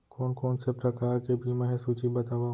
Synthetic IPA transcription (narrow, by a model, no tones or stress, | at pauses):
kɔːnkɔːnsepɾɐkaːɾkebʱimɛ̃ːɦsuːt͡ʃibɐt̪aːʋa